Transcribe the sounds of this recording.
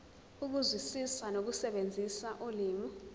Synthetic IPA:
uk̬uzwisisanok̬usɛɓend͡zʱisaʔuliːmu

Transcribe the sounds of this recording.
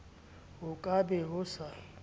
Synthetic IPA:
ɦʊkʼabɛɦʊsa

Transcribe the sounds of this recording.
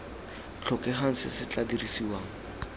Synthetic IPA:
t͡ɬʰɔkʼɛɦaŋ̩sɪsɪt͡ɬadirisiwaːŋ̩

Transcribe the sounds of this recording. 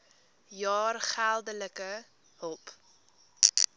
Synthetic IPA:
jɑːrχælˠdələkə | həlˠp

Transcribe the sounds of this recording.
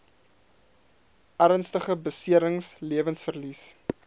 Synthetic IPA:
ʔæɾənstəχəbəsiəɾəŋsliəvənsfərlis

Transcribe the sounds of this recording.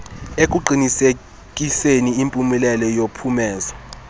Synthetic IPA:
ek̬ʼuǃʱinise | kʼiseniimpʼumilɛlɔjopʰumɛːza

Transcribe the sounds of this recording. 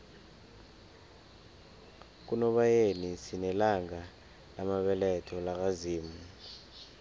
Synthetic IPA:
k̬ʼunɔɓajenisinɛlaŋa | lamaɓɛlɛtʰɔlak̬ʼaziːmu

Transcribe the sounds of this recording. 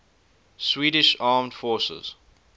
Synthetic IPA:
swiːɾɪʃaːmdfɔːsə̰z̥

